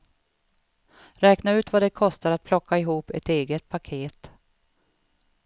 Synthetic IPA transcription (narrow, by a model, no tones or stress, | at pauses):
ɾɛːknaʉ̟ːt̪vad̪ɛkʰɔst̪aɾat̪̚pʰlɔkʰːaɪɦuːpɛt̪eːɡət̪̚pʰakʰeːt̪